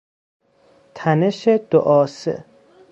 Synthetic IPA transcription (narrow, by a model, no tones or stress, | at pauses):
t̪ʰæneʃed̪̥o̰ʔɒːsḛ